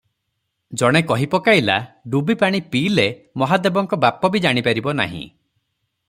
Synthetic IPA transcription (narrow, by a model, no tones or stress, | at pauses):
d͡ʒɔɽ̃ekɔɦipɔkaila̰ɖubipaɽ̃ipiːlemɔɦad̪ebɔŋkɔbapɔbid͡ʒaɽ̃ipaɾibɔna̰ɦḭ̃